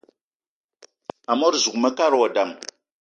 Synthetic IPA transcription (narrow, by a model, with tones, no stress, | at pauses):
a˨mo˦ɾzu˨kmə˦ka˦ɾwa˨da˨m